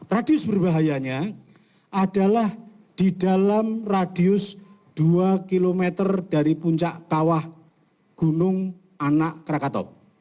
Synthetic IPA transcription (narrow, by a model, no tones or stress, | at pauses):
radiʊsbərbaɦajaɲa | ʔadalah | d̥idalamradiʊs | d̥uakilomet̪ərd̥aɾipuɲt͡ʃaʔkawah | ɡ̥unʊŋ | anaʔkəɾakat̪ɔ̰